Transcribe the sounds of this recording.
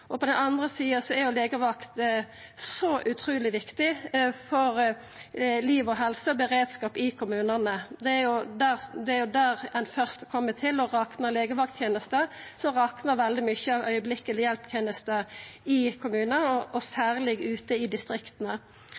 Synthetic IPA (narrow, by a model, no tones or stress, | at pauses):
ʔɔpɔd̪ɛnɑnd̪ʁəsiːəsɔæɾjʊleːɡəʋɑkt̪ | sɔʔʉt̪ʰʁʉːlɪʋɪkt̪ɪfɔʁ | liːʋɔɦɛlsəɔbəʁeːd̪skɑːpɪkʰʊmʉːnənəd̪ɛæjʊd̪æʁd̪ɛæʁjʊd̪æɾɛnfœʁst̪kʰɔmːət̪ʰɪlɔʁɑːknəʁleːɡəʋɑk̚t̪ʰjeːnəst̪əsɔʁɑːknəʋɛld̪ɪmʏçəɑʋœʏəblɪkːəlɪjɛlp̚t̪ʰjeːnəst̪əɪkʰʊmʉːnəɔʔɔsæːʁlɪɡʉːt̪əɪd̪ɪst̪ʁɪkt̪ənə